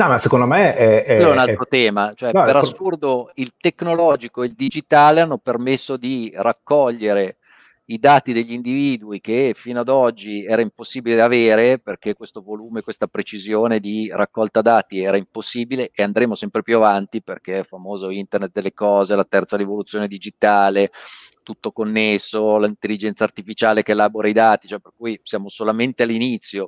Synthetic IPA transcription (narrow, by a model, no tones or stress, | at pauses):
nɔmasekond̪omeɛɛnalt̪ɾot̪ɛːmat͡ʃoɛpeɾassːurd̪oilt̪ekːnolɔːd͡ʒikoeild̪id͡ʒit̪aːleanːopermesːod̪irakːɔʎːeɾe | id̪aːt̪id̪eʎːind̪iviːd̪uikefiːnoad̪ɔd͡ʒːiɛːɾaimposːiːbiled̪aveːɾeperk̟ekwest̪ovoluːmekwest̪apɾet͡ʃizjoːned̪irakːɔlt̪ad̪aːt̪iɛːɾaimposːiːbileʔeand̪ɾeːmosɛmpɾepjuavant̪iperk̟eɛlfamoːzoint̪ernet̪̚d̪elːekɔːzelat̪ɛrt̪saɾivolut̪sːjoːned̪id͡ʒit̪aːlet̪ut̪ːokonːesːolint̪elːid͡ʒɛnt̪saːrt̪ifit͡ʃaːlekeːlaːboɾaid̪aːt̪i̥t͡ʃoɛpːerkuːjsjaːmosolament̪ealːinit̪sːjo